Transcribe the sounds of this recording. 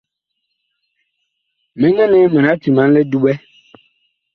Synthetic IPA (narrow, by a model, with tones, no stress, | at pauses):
mɛ̃˨˦ŋɛ̃˦nɛ̃˦mɛ̃˨na˨˦ti˨mã˨˦n˦le˦du˦ɓɛ˦